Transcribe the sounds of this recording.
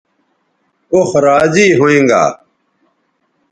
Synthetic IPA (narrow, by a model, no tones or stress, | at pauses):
oxɾaːziːɦoẽːŋɡa̰ː